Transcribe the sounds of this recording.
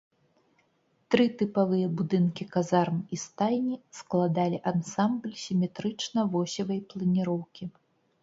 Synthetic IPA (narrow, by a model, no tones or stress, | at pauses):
t̪ɾɨt̪ɨpavɨjɐbud̪ɨnkʲikazarmist̪ajnʲisklˠad̪alʲiʔansamblʲsʲimʲɛt̪ɾɨt͡ʂnɐvɔsʲɐvɐjplˠɐnʲiɾɔwkʲi